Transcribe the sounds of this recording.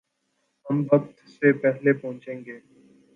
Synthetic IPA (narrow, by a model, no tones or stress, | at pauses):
ɦɐmbɐk̚t̪sepɛɦlepɔ̃ɦʊ̃t͡ʃẽːŋɡeː